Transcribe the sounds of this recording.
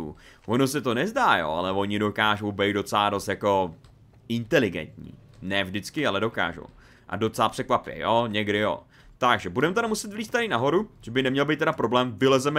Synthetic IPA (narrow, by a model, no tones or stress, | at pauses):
ṵ | vonos̬ɛt̪o̞nɛzdaːjo̰ːa̰lɛvo̞ɲɪdo̞kaːʒo̞wbɛjt̪do̞t͡sɛlaːdo̞st̪jako̞ | ɪnt̪ɛlɪɡɛ̰nt̪ɲḭːnɛːvʒdɪt͡skɪalɛdo̞ka̰ːʒo̰w | ʔa̰do̞t͡sɛlaːpr̥ɛkvapɪjɛ̰joɲɛɡdɪjo̰ | t̪aɡʒɛbudɛmɛt̪ɛɾamusɛt̪vliːst̪aɾɪnaɦo̞ɾuʒ̥ɛbɪnɛmɲɛlbejt̪ːɛɾapɾoblɛːmvɪlɛzɛmɛ